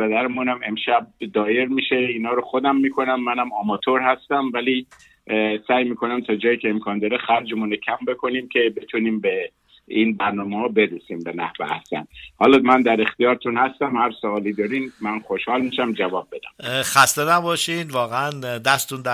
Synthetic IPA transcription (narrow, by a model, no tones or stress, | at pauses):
ped̪æɾemunæme̞mʃæb̚d̪ɒːje̞ɾmiːʃeiːnɒːɾoχod̪æmːiːkʰo̞næmːænæmɒmɒt̪ʰoɾhæst̪æmvæli | sæːjmiːkʰo̞næmt̪ʰɒːd͡ʒɒːjiːcʰeːmkʰɒːnd̪ɒːɾexæɾd͡ʒemuːnecʰæmbe̞kʰo̞niːmcʲʰe̞be̞t̪ʰuniːmbe | inbæɾnɒːmehɒːbe̞d̪usimbenæhvḛæ̰hsæ̰nhɒːlɒmænd̪æɾext̪ijɒːɾt̪ʰunhæst̪æmhæɾsoɒːliːd̪ɒːɾinmænχoʃhɒːlmiʃæmd͡ʒævɒːb̚ːe̞d̪æ̰mxæst̪enæbɒːʃinvɒːɣeænd̪æst̪und̪æ